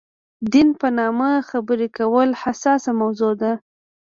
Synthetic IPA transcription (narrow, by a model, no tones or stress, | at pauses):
d̪inpənɑmaxabəɾekawəlhasɑsamawzod̪a